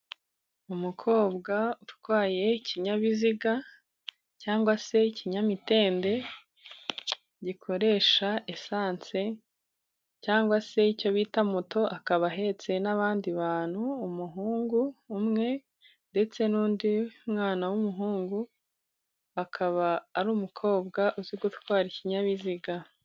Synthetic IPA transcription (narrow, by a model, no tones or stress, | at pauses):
umukʰo̞ːbɡautwaːje̞iciɲaβiziɡa | caːŋɡwase̞iciɲamite̞ːnde̞ | ɟikʰo̞ɾe̞ːʃaesaːnt͡se̞ | caːŋɡwase̞ico̞βiːtamuto̞ʔakaβaɦe̞t͡se̞naβaːndiβaːn̥huːmuɦuːŋɡuːmŋe̞ | nde̞t͡se̞nuːndiumŋaːnawumuɦuːŋɡu | akʰaβaːɾuːmukʰo̞ːbɡaʔuziɡut̪waːɾiciɲaβiziɡa